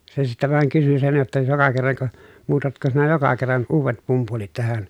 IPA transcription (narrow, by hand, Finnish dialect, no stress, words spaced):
se sitːæ ʋɑˑeŋ kysy sen jotːɑ jokɑ kerːɑŋko muːtɑtko sinæ jokɑ kerːɑn uːʋet pumpulit tæhæn